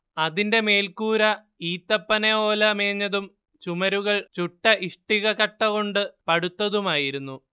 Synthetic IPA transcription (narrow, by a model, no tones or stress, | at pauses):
ɐðinde̞me̞ːlkuːɾɐ | iːt̪ːɐpːɐnɐoːlɐmeːɲːɐðum | t͡ɕumɐɾuɣɐɭt͡ɕuʈːɐʔiʂʈiɣɐkɐʈːɐɣo̞ɳɖɨpɐɽut̪ːɐðumaːjiɾunːu